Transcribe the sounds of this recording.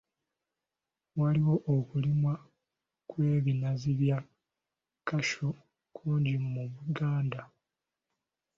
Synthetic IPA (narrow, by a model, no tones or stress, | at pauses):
waliwo̞ʔːkulimwa | kwe̞ːβinaziβja | kaʃo | kʰuːɲɟimmuβuɡaːnda